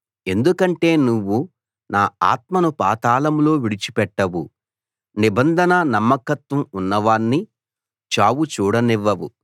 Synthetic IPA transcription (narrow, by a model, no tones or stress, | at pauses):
e̞nd̪ukɐɳʈe̞ːnuʋːu | naːa̰ːt̪̚mɐnupaːt̪aːlɐmlo̞ːʋiɽit͡ʃi̥pɛʈːɐʋṵ | nibɐnd̪ʱɐnɐnɐmːɐkɐt̪ʋɐmunːɐʋaːnːi | t͡ʃaːʋut͡ʃuːɽɐniʋːɐʋu